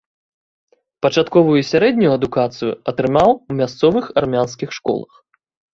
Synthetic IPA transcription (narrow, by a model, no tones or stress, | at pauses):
pɐt͡ʂat̪kɔvujusʲaɾɛd̪ʲnʲujuɐd̪ukat̪sɨjṵɐt̪ɾɨmawumʲast̪sɔvɨxarmʲanskʲixʂkɔ̰lˠɐ̰x